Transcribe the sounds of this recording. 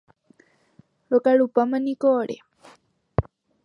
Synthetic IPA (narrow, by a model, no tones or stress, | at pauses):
ɭokaɭupamãnikoːɽḛ